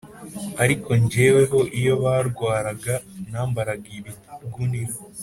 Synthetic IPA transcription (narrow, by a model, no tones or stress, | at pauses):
aɾiko̞ɲɟewe̞ɦo̞ʔijo̞βaːɾɡwaːɾaɡanaːmbaɾaɡiβi | ɡuniɾo